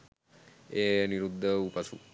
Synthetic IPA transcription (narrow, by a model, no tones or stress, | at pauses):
eniɾud̪ʱːəupasṵ